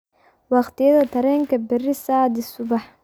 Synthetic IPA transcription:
wɑqt̪ʰɪjɐðɐt̪ʰɐɾɛːŋkʰɐbɪrɪsaːd̪ɪsʊβɑħ

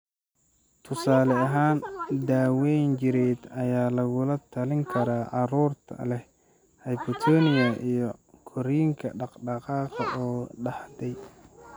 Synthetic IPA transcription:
t̪ʰʊsaːlɛɐɦaːnd̪aːwɛjnt͡ʃɪɾɛd̪ɐjaːlɐɣʊlɐt̪ʰɐlɪŋkʰɐɾaːʔɑɾuːrt̪ʰɐ̰lɛh | hɛjbɔt̪ʰɔːnɪjɐʔijɞkʰɔɾiːŋkʰɐ̰ɖɑqɖɑqɑːqɐʔɔːɖɑhd̪ɛj

